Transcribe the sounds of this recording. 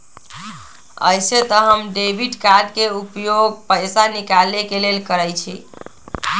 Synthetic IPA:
ə̰jset̪əɦəmɖebʱiʈkaɾɖkeupjoɡ̚pəjsanikalːekelelkəɾəjt͡ʃʰḭ

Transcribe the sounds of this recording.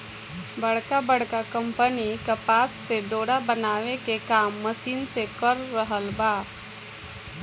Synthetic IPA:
bəɽ̤kabəɽkakə̃mpənikɐpaːsːeɖoːɽabənaːʋekekaːmːəsiːnsekəɾːəɦəlbaː

